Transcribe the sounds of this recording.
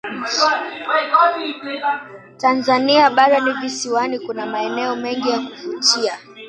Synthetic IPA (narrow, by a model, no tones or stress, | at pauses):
tanzaniaɓaɗɔnivisiwanikunamaɛnɛɔmɛŋɡijakufut͡ʃia